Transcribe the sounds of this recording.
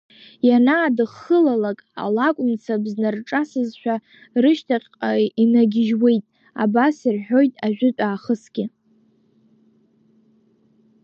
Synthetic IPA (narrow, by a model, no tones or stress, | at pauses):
janaːdɨχːəlalakʼa̰lakʷʼʊmt͡sʰabznarʈ͡ʂʼasɨzʃᶣa | rɨʃtʰaqʲʼqʼainaɡʲɪʒwe̞jtʼ | a̰basirħo̞jtʼaʒᶣʷɪtʼaːχəsɡʲɪ